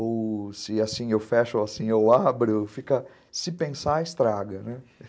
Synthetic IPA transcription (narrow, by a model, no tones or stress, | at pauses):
owsɪasĩewfɛʃoasĩewabɾʊfikɐ | sɪpẽsaːɪst̪ɾaɡɐnɛ